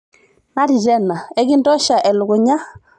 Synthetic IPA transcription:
na˦ɾi˨d͡ʒɛ˦na˨ɛ˦ɡi˦ndɔ˦ʃa˨ʔɛ˨lʊ˨ɡʊ˨ɲa˦

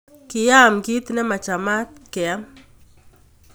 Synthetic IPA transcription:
kɪ˨ja˦mki˦t̪nɛ˦ma˨t͡ʃa˨ma˦t̪̚kɛa˦m

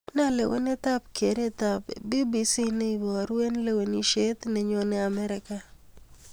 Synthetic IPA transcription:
na˦lḛ˨wʔḛ˦ne˦t̪a˦pkʰe˨ɾe˦t̪a˨pe˨bi˦bi˦si˦ne˦i˨wɔ˨ɾwe˦nle˦we˨ni˦ʃe˦t̪nɛ˨ɲo˦nɛ˦a˨mɛ˦ɾɪ˨ka˨

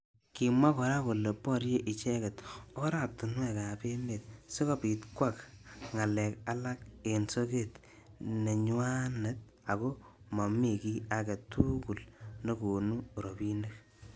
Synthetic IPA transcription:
ki˨mwa˦kɔ˨ɾa˦ko˨le˨pɔ˦ɾje˦ʔi˨t͡ʃe˦ke˨to˦ɾa˨tu˨nwe˦˨ka˨pe˦ne˨t̚se˦ko˦pi˨tkwa˦˨kŋa˨lɛ˨ka˦la˦k̚e˨nso˦ke˦t | ne˨ɲwa˦ne˨t̚ | a˨ko˦ma˨mi˨ki˦a˨ke˨tuku˨lne˦ko˨nu˦ɾo˨pi˦ne˦k

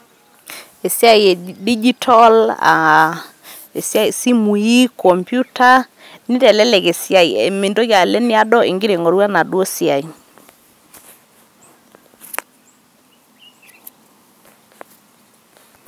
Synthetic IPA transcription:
e˨sja˦i˨e˨di˦d͡ʒi˦tʰɔ˦la̰˨ | e˨sa˦i˨si˦mu˨i˦kɔ˨mpju˦ta˦ | ni˦tɛ˨lɛ˦lɛ˨ɣe˨sja˨i˨ḛ˨me˨ndo˦ɣja˨le˦nɪ˦a˦dɔ˦ʔḛ˨ŋɡi˦ɾe˨ŋɔ˨ɾwa˦na˨dwo˦si˦a˨i˨

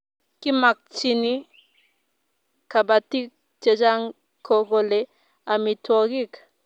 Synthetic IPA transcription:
ki˦ma˨k̚t͡ʃi˧ni˦ | ka˨ba˨ti˦k̚ | t͡ʃe˨d͡ʒa˦ŋ | kʰo˨ɡo˨le˨ | a˨mi˨tʰɔ˦˧ɡi˦k

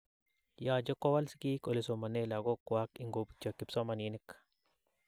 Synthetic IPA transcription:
ja˨d͡ʒɔ˦kɔ˦wa˦lsi̥ki˦ko˨le˨so˨ma˨ne˦la˨ɡɔ˦kwa˦ki˨ŋɡo˨pt͡ʃɔ˨kɪ˨psɔ˦ma˨ni˦nɪ˦k

